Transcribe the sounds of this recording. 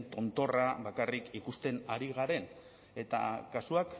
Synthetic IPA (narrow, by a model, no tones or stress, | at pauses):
nt̪o̞nt̪o̞raβakarikikust̪e̞naɾiɣaɾe̞n | e̞t̪a̰kasuak